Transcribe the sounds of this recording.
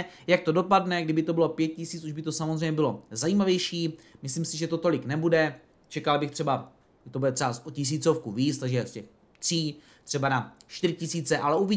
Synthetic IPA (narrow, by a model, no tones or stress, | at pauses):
jak̚t̪o̞do̞padnɛɡdɪbɪt̪obɪlo̞pjɛt̪̚cɪsiːt͡suʒbɪt̪o̞samo̞zrɛjɲɛbɪlo̞zajiːmavjɛjʃiːmɪsliːmsɪʒɛt̪o̞t̪o̞lɪknɛbudɛ | t͡ʃɛkalbɪxt̪r̥ɛba | ʒɛt̪o̞budɛt̪rɛasʔocɪs̬iːt͡so̞fkuviːt͡st̪aɡʒɛscɛx | t̪r̝̥iː | t̪r̥ɛbanaʃt̪ɪɾɪcɪsiːt͡sɛʔalɛʔuvi